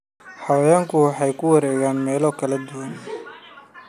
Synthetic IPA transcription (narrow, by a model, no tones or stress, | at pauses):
ħɑwɐjaːŋkʰʊwɑħɑjkʰʊwɐɾɛːɣaːnmɛːlɔːkʰɐlɐd̪ʊwɐn